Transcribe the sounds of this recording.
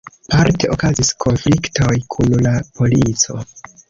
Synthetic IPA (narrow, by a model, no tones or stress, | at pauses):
paɾte̞ʔo̞kaziskʰo̞nflikto̞jkʰunlapo̞lit͡so̞̰